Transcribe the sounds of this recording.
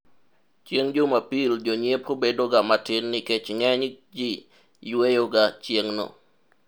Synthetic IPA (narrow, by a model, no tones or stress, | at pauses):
t͡ʃjeŋd͡ʒomapild͡ʒoɲjepʰobedoɡamatɪnːɪket͡ʃŋɛɲd͡ʒi | jwejoɡat͡ʃjeŋnɔ̰